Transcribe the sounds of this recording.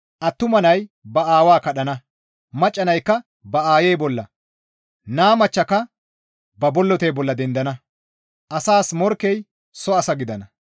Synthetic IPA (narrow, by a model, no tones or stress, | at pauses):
ʔɐt̪ːʊmɐnɐjbɐaːwaːkɐɗɐnɐ | mɐt͡ʃʼːɐnɐjkːɐ | bɐaːjejbɔlːɐ | naːmɐt͡ʃːɐkɐ | bɐbɔlːɔt̪ejbɔlːɐd̪ɛnd̪ɐnɐ | ʔɐsaːsmɔɾkːɛj | sɔɐsɐɡɪd̪ɐnɐ